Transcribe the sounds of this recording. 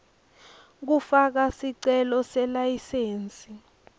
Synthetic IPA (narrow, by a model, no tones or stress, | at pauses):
k̬ufak̬asiǀɛlɔsɛlajiseːnt͡sʼi